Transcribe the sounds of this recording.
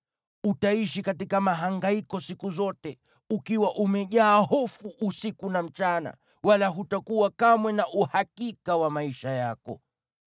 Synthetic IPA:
utaiʃikatikamaɦaŋɡaikɔsikuzɔtɛ | ukiwaʔumɛʄaːhɔfuʔːsikunam̩t͡ʃana̰ | walaɦutakuwakamwɛnaʔuhakikawamaiʃajakɔ̰

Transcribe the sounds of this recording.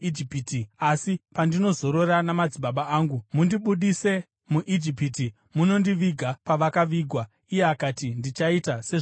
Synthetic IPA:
d͡ʒipitiasipandino̞zo̞ɾo̞ranamad͡ziɓaɓaaːŋɡumundiɓuɗise̞ | muʔid͡ʒipiti | muno̞ndiʋiɡʱapaʋakaʋiːɡʱwa | ije̞akatindit͡ʃaitase̞ʐ

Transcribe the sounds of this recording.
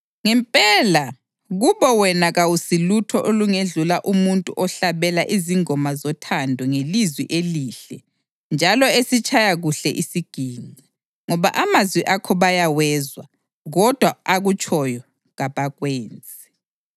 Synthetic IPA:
ŋɛmpʼɛla | ɣuβɔwɛnaɣawusilutʰɔʔoluŋeɮulaʔumuntʼuʔɔɬaβɛlaʔiziŋɔmazɔtʰandʱɔŋelizwiʔeliɬɛ | nd͡ʒʱalɔesit͡ʃʼajaɣuɬɛʔisiɡ̥ʱiːŋ͡ǀi | ŋɔβa̰ʔamazwiʔakʰɔβajawɛːzwa̰ | ɣɔd̥ʱwaaɣut͡ʃʰʼɔjɔ | ɣaβaɣweːnd͡zʱɛ

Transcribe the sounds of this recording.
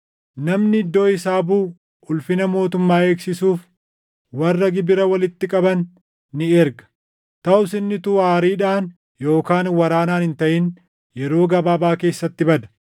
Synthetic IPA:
nɐmnɪɪd̪ːo̞ːɪsaːbuː | ʊlfɪnɐmo̞ːt̪̬ʊmːaːe̞ːksɪsuːf | wɐrːɐɡɪbɪɾɐwɐlɪt̪ːɪkʼɐbɐnː | ɪɛɾɡɐ̥ | t̪ɐʔʊsɪnːɪt̪uaːɾiːᶑaːn | jo̞ːkaːnwɐɾaːnaːnhɪnt̪ɐʔɪn | jɛɾo̞ːɡɐbaːbaːke̞ːsːɐt̪ːɪbɐd̪ɐ̥

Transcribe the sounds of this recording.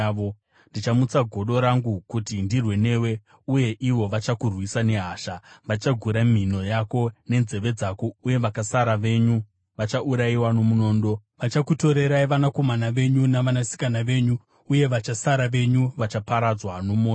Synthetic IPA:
o | ndit͡ʃamut͡saɡʱo̞ɗo̞ɾaŋɡukutindirwe̞ne̞we̞ | uje̞ʔiʋo̞ʋat͡ʃakurwisane̞ɦaːʃaʋat͡ʃaɡʱuɾam̤ino̞jako̞ne̞nze̞ʋe̞d͡zakouje̞ʋakasaɾaʋe̞ɲu | ʋat͡ʃaʔuɾaiwano̞muno̞ːndo̞ʋat͡ʃakuto̞ɾe̞ɾaiʋanako̞manaʋe̞ɲunaʋanasi̥kanaʋe̞ɲuː | je̞ʋat͡ʃasaɾaʋe̞ɲuʋat͡ʃapaɾad͡zwanomo

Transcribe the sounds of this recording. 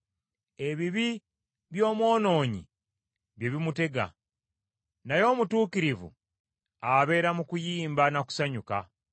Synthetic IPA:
e̞βiβi | βjo̞ːmwo̞ːno̞ːɲḭ | βjeβimute̞ɡa̰ | najo̞ːmutuːkiɾivṵ | aβe̞ɾamukujiːmbanaku̥saɲuka̰

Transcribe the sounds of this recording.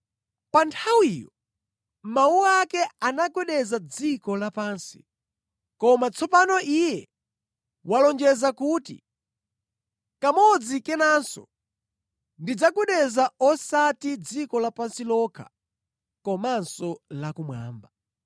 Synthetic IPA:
pantʰawijɔ | mauakɛanaɡwɛɗɛzad͡zikɔlapaːnsi̥̰ | kɔmat͡sʰɔpanɔʔijɛ | walɔnd͡ʒɛzakuːtḭ | kamɔd͡zikɛnaːnsɔ̰ | ndid͡zaɡwɛɗɛzaɔsatid͡zikɔlapansilɔkʰa̰ | kɔmansɔlakumwa̰ːmba

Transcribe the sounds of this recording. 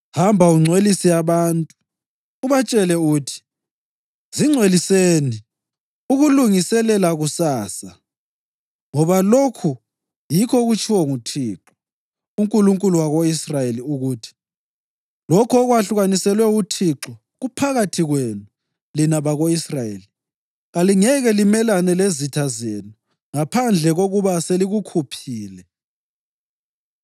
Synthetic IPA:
hambʱauŋ͡ǀʱwelisijaβaːntʼuː | βat͡ʃʼɛlɛuːtʰi̥ | ziŋ͡ǀʱweliseːni | uɣuluŋisɛlɛlaɣusaːsa | ŋɔβalokʰu | jikʰɔɣut͡ʃʰʼiwɔŋutʰiːǁɔ | uŋkʼuluŋkʼuluwaɣoisrajeliuɣuːtʰi̥ | lɔkʰɔɣwaɬuɣanisɛlwɛutʰiǁɔ | ɣupʰaɣatʰiɣwenu | linaβaɣoisrajeːli | ɣaliŋɛɣɛlimɛlanɛlezitʰazeːnu | ŋapʰand͡ɮʱɛɣoɣuβaseliɣukʰupʰiːlɛ

